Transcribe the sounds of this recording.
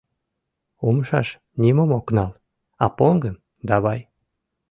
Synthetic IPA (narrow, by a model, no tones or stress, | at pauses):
oməʃɑ̰ʃ | nʲimomoknɑl | ɑpoŋɡəm | d̪ɑβɑj